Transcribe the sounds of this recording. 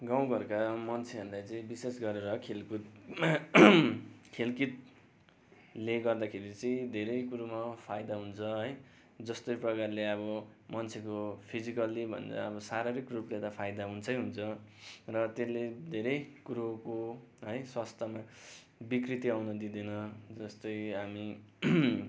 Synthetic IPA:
ɡaw̃ɡʌrkamʌnt͡sʰeɦʌnd̪ajt͡sʌĩbisesɡʌɾeɾʌkʰelkut̪ | kʰelkit̪̚ | leɡʌrd̪akʰeɾit͡sʌĩd̪ʱeɾʌjkuɾumapʰajd̪aɦunt͡sʰʌɦʌj | d͡zʌst̪ʌjprʌkarleʌβʌmʌnt͡sʰekopʰid͡zikʌlibʱʌ̰nd͡za̰ʌbʌsaɾʌɾikruplet̪ʌpʰajd̪aɦunt͡sʰʌjɦunt͡sʰʌrʌt̪eled̪ʱeɾʌjkuɾokoɦʌjswast̪ʰʌma | bikrit̪iawnʌd̪id̪inʌd͡zʌst̪ʌjɦami

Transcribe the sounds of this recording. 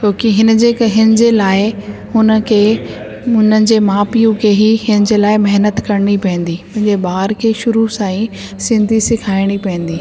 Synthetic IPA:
t͡ɕoːkiɦɪnə̆d͡ʑeːkɦɪnɪd͡ʑeːlaːɪhʊnə̆kʰeː | ʊnəɪ̆d͡ʑeːmaːpijũkʰeɦiɦɪnə̆d͡ʑeːlaːɪmɐɦnət̪kɐɾɪɽ̃ipɐ̃ɪ̃nd̪iːmʊ̃ɦɪ̃ɲd͡ʑeɓaːɾkʰeːʃʊɾusãːĩsɪ̃nd̪ʱisɪkʰaːɪɽ̃ipɐ̃ə̃n̆d̪iː

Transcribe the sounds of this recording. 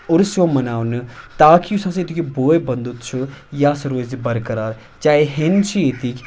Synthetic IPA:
ʊɾsjoːmɐnaːʋnɨt̪aːkiʊsãːseːt̪ikeboːebɐnd̪ut̪t͡ʃʰujaːsɐɾoːzibɐɾkɐɾaːɾ | t͡ʃaːeɦent͡ʃʰieːt̪ikʰʲ

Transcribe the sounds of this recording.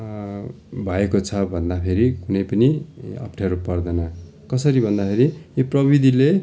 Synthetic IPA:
bʱʌekot͡sʰʌbʱʌnd̪apʰeɾikunʌjpʌniʌ̰pʈʰeɾupʌrd̪ʌnʌ | kʌsʌɾibʱʌnd̪apʰeɾijiprʌbid̪ʱile

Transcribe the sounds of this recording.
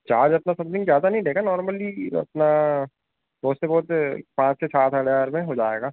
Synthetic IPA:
t͡ʃaːɾd͡ʒɐpnasɐ̃mt̪ɪ̃ŋɡzjaːd̪anɐɦĩɾeːɡanɔːɾməliɐ̰pna | bɔːt̪sebɔːʊt̪pãːt͡ʃsesaːt̪ʰɦəɽjaːɾmẽɦod͡ʒaːḛːɡaː

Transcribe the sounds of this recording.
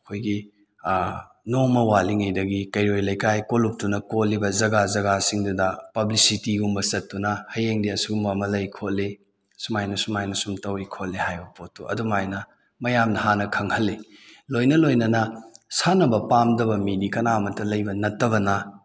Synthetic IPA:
ɐkʰojɡi | nomɐwaliŋɐjdɐɡikɐjɾojlɐjkajkolup̚tunɐkotlːibɐzɐɡazɐɡasiŋdudɐpɐblisitiɡumbɐsɐtːunɐhɐjeŋdiɐsuɡumbɐːmɐlɐjkʰot̚le | sumajnɐsumajnɐsumtɐwikʰot̚lehajbɐpotːuɐ̰dumajnɐ | mɐjamnɐhanɐkʰɐŋhɐlːilojnɐlojnɐnɐsanɐbɐpamdɐbɐminikɐnamɐtɐlɐjbɐnɐtːɐβɐnɐ

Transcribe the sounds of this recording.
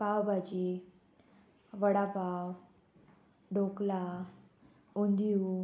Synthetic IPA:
kawbad͡ʑi | ʋəɽapaw | ɖʱokla | und̪iju

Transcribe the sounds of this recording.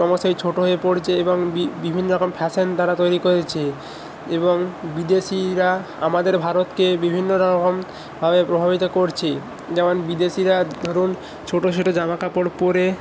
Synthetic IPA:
ɔmoʃojt͡ɕʰoʈoɦoepoɾt͡ɕʰeeboŋbibibʱinːoɾɔkompʰɛʃent̪aɾat̪ojɾikoɾet͡ɕʰe | eboŋbid̪eʃiɾa | a̰mad̪eɾbʱaɾot̪kebibʱinːoɾɔkom | bʱabepɾobʱabit̪okoɾt͡ɕʰe | d͡ʑɛmonbid̪eʃiɾad̪ʱoɾun | t͡ɕʰoʈot͡ɕʰoʈod͡ʑamakapoɾpoɾe

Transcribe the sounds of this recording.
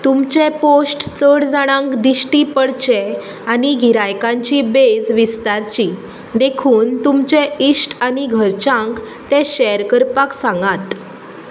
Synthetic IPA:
t̪umt͡ɕɛ̃posʈt͡səɽd͡zaɽ̃ãŋkd̪iɕʈipəɽt͡ɕɛ | aniɡʱiɾajkãɲt͡ɕibed͡zʋist̪aɾt͡ɕi | d̪ekʰuːnt̪umt͡ɕɛisʈaniɡʱəɾt͡ɕãŋk | t̪ɛ̃ɕɛɾkəɾpaksãŋɡat̪

